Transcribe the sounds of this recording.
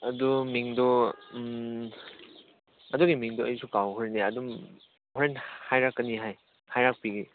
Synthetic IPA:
ɐdumiŋdɔm | ɐduɡimiŋdɔɐjsukawhɔɾenːeɐdum | hɔɾenhajɾakːɐniɦaj | hajɾak̚piɡi

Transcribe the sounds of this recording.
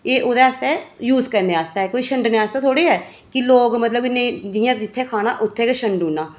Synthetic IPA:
eːʔoːd̪aːst̪ɛːjuːzkəɾneaːst̪aːɛːkoːiːʃəɳɖneaːst̪aːt̪ʰoːɽeːɦɛː | kɪloːɡmət̪ləbɪnːẽːd͡ʒɪjãːd͡ʒɪt̪ʰːeːkʰaːnaːʔʊt̪ʰːeːkeʃəɳɖɦũːnːaː

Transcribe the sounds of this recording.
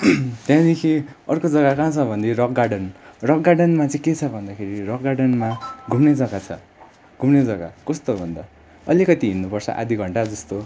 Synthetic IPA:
t̪jãd̪ekʰiʌrkod͡zʌɡakãt͡sʰʌbʱʌnd̪erʌk̚ɡaɽʌnrʌk̚ɡaɖʌnmat͡sʌĩket͡sʰʌbʱʌnd̪akʰeɾirʌk̚ɡaɽʌnmaɡʱumned͡zʌɡat͡sʰʌ̰ | ɡʱumned͡zʌɡa̰kʌst̪obʱʌnd̪a | ʌlikʌt̪iɦinːupʌrt͡sʰʌ̰ʔa̰d̪ʱiɡʱʌɳʈad͡zʌst̪o

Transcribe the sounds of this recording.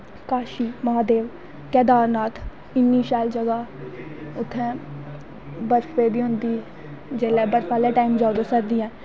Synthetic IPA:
kaːʃiːmaːd̪eːʋ | kɛːd̪aːɾnaːt̪ʰ | ɪnːiːʃaːld͡ʒəɡaː | ʊt̪ʰːɛ̃ː | bəɾfeːd̪iːɦʊnd̪iː | d͡ʒeːlɛːbəɾfʰaːlɛːʈaːiːmd͡ʒaːud̪aːsəɾd̪iːɛ̃ː

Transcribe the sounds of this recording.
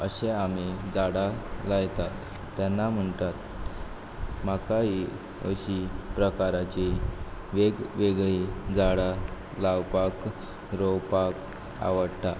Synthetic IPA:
əɕẽamid͡zaɽalajt̪at̪ː | anːam̤əɳt̪at̪ | makaɦi | əɕipɾəkaɾat͡ɕeʋeɡʋeɡɭid͡zaɽa | lawpak | ɾowpak | a̰ʋəɽt̪a

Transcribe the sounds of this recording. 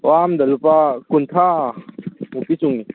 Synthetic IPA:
wamd̪ɐlupakunt̪ʰa | mukisuŋi

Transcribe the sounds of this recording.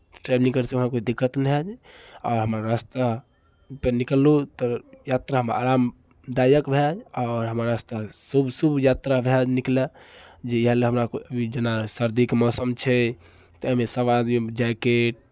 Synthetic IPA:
ʈɾebnĩŋkəɾseuɦãkoid̪ikːət̪nɛɦd͡ʒɔːɾɦəmɾaɾast̪a | penikəlːut̪ɔjat̪ɾaɦəma̰ɾam | d̪ajəkbʱed͡ʒɔːɾɦəmɾaɾast̪asubsubjat̪ɾabʱed͡ʒnikled͡ʒeɦaleɦəmɾakoəbʱid͡ʒenasəɾd̪ikmɔsəmt͡ʃʰɛ | t̪ɔmesəʋad̪id͡ʒakeʈ̚

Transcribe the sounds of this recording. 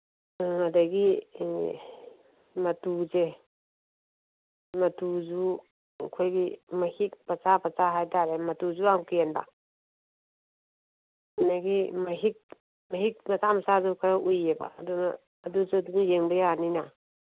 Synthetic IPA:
adaɡi | mɐtuze | mɐtuzu | kʰojɡimɐhik̚pasapʰat͡ʃaɦajtʰaɾemɐtuzuawkienba̰ | naɡimɐɦik̚ | maɦik̚mɐsamɐsazukʰaɾaʔujeba̰ːduna̰ː | dusuadunijeŋbajaanina

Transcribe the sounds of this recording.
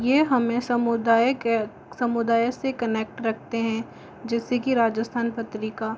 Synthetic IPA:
jeːɦɐmẽsɐmʊd̪aː | sɐmʊd̪aːjsekɐneːk̚ʈɾɐk̚ʰt̪eɦɛ̃ | d͡ʒɛːsekiɾaːd͡ʒəst̪ʰaːnpɐt̪ɾikaː

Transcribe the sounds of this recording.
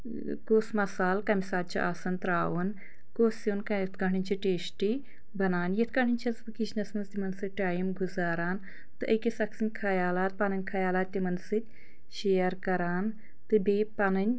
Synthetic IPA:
koːsmɐsaːlkɐmisaːd̪̚t͡ʃʰḭʔaːsɐnt̪ɾaːʋɐn | koːsjinkɐjɐt̪ʰkɐɳʰɨnʲt͡ʃʰiʈeːsʈi | bɐnaːnjɐt̪ʰkɐɳɨnʲt͡ʃʰɐsbɨkit͡ʃʰnɐsmɐnzt̪ʲimɐnsɨʈaːjimɡuzaːɾaːn | t̪ɨʔɐkisɐksinʲkʰɐjaːlaːt̪̚pɐnɐnʲkʰɐjaːlaːt̪ʲːimɐnsɨt̪ʲ | ʃeːɐɾkɐɾaːn | t̪ɨbepɐnɐnʲ

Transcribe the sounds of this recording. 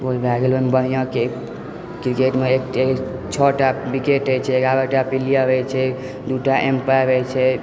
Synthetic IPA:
bolbʱaɡeləmbəɦijãke | kɾikeʈmeeket͡ʃʰɔʈabikeʈet͡ʃʰɛeɡabəʈapilijabɛjt͡ʃʰɛ | d̪uʈaʔempajbɛjt͡ʃʰɛ

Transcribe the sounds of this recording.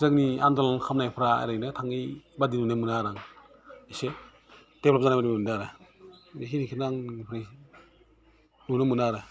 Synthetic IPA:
zɯkniandɔlankʰamnajpʰɾaa̰ɾɯjnɯtʰaŋibadinunɯmɯnaɾaŋ | ese | d̥epʰlɔpzanajbaɾiundaɾɯ | es̬inikʰinaŋnipʰɾa | nunɯmunaɾɯ

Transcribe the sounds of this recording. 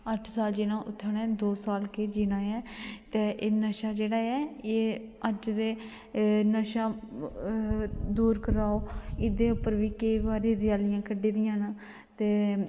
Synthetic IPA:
əʈʰsaːld͡ʒɪnãːʔʊt̪ʰːaːnɛːd̪oːsaːlkeːd͡ʒiːnãːɛːt̪eːʔeːnəʃaːd͡ʒeːɽaːɛːeːəd͡ʒd̪eː | nəʃaː | d̪uːɾkəɾaːoːɪd̪eːʊpːəɾʋiːkeibaːɾeːd̪ɪjaːlɪjãːkəɖeːd̪ɪjãːnaː | t̪eː

